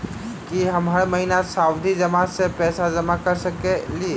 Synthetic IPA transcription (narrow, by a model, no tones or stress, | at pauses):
kiɦɐmɦɐɾmɐɦinasaːwd̪ʱid͡ʒɐmasepɛːsad͡ʒɐmakɐɾsɐkelie